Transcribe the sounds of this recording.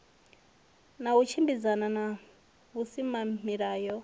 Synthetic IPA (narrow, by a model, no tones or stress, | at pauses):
naut͡ʃʰimbizanana | βusimamiɺaːjɔ